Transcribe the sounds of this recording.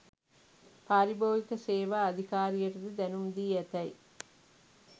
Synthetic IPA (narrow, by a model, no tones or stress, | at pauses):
paːɾiboːʋikɐseːʋaːɐd̪ʱikaːɾijɐtud̪ed̪ɛnumd̪iːɛt̪ɐj